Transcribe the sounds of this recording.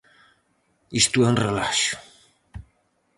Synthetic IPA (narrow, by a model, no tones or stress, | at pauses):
ist̪uɛũnrelaʃju̥